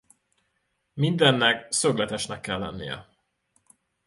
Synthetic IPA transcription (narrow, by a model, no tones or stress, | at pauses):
mind̪ɛnːɛksøɡlɛt̪ɛʃnɛkːɛlːɛ̰nːḭjɛ̰